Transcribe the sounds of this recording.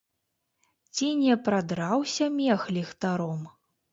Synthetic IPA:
t͡sʲinʲɛpɾad̪ɾawsʲɐmʲɛxlʲɛxt̪aɾɔm

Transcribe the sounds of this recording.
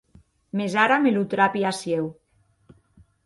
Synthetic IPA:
mezaɾamelut̪ɾapiasjew

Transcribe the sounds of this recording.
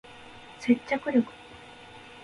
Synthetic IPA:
se̞t͡ɕːakɯ̟ɾʲokɯ̟̥

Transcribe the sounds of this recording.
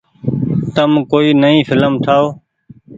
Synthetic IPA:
t̪əmkoːiːnəĩːfʰɪləmt̪ʰaːoː

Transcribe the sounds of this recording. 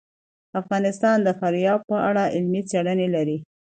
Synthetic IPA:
afɣɑnɪst̪ɑnd̪əfaɾjɑb̚pəʔaɽaʔɪlmit͡seɽənelaɾi

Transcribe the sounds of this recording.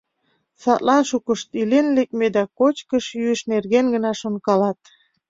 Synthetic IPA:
sɑt̪lɑnʃukəʃt̪ilenlek̚med̪ækot͡ɕkəʃjyəʃnerɣenɡənɑʃonkɑlɑt̪

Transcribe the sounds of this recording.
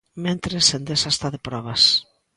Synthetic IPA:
mẽnt̪ɾesend̪esast̪aðepɾɔβɐs

